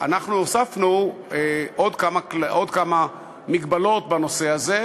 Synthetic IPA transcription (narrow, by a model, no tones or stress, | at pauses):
a̰naχnuosafnueʔod̪kamakodkama | miɡbalo̞tbano̞se̞aze̞